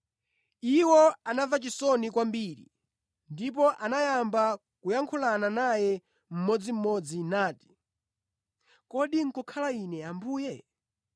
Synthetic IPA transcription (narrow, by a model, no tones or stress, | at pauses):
iwɔanavat͡ʃisɔnikwambiɾḭ | ndip̬ɔʔanajamba | kujaŋkʰulananajɛ | m̩mɔd͡zim̩mɔd͡zinaːti̥ | kɔɗiŋ̩kɔkʰalainɛambuːjɛ